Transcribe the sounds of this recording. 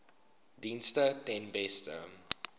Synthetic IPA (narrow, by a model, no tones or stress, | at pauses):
dinstətɛnbɛstə̰m